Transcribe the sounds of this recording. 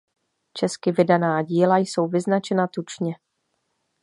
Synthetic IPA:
t͡ʃɛskɪvɪdanaːɟiːlajso̞wvɪznat͡ʃɛnat̪ut͡ʃɲɛ

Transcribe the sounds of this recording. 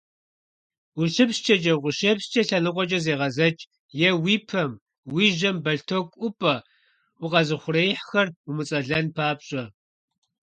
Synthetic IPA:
wʊɬɪpst͡ʃʰʼɐt͡ʃʼɐwqʷʊɕeːpst͡ʃʼɐɬɐnɨqʷʼɔt͡ʃʼɐzeːʁɐzɐt͡ʃʼ | jɛwiːpʰɐm | wiːʒɐmbɐɬtʰokʷʼʊpʼɐ | ʔʷʊqɐzɨχʷʊrejħxɐrʊmɨt͡sʼɐɮɐnpʰaːpɕʼɐ

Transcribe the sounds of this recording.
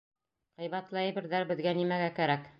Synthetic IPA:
ʁɤ̆jβæt̪lˠɑjɘ̆bɘ̆ɾðæɾbɘ̆ðɡænimæɡækæɾæk

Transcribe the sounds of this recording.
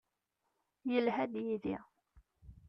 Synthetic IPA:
jəlɦæd̪jiðḭ

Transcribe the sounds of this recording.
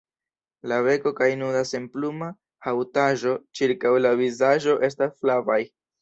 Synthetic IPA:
laβe̞ko̞kajnudase̞mpluma | hawtaʒo̞t͡ʃiɾkawlavizaʒo̞ʔe̞s̬tasflavaj

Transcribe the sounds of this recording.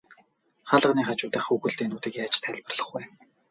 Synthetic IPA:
χaɮə̆qniːχat͡ɕʊːt̪ə̆χuɣɘ̆ɮt̪eːnuːt̪iːkːat͡ɕt̪ʰæɮʲpə̆rɮə̆χwæː

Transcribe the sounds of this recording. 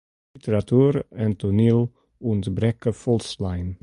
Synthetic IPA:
itəɾatʰuːɾɛntunil | ʊntbɾɛkəfɔlslaɪn

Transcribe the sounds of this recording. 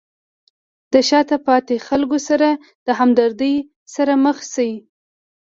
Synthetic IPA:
d̪̥əʃɑt̪apɑt̪exalɡosaɾa | d̪̥əɦamd̪aɾd̪əj | saɾaməxsawi

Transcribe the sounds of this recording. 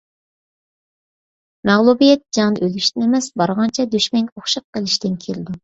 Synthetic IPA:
mɛʁlˠubijɛt̪̚d͡ʒɑŋnɨʔølyʃt̪ɪnemɛsbɑɾʁɑnt͡ʃʰɛd̪yʃmɛŋkʲoχʃɑq̚qːəlˠɪʃt̪ɪnkʲʰelɪd̪u

